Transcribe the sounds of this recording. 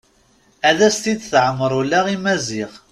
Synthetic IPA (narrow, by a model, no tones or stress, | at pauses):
æðæst̪id̪θʕəmːəɾˤulæʁimæziʁ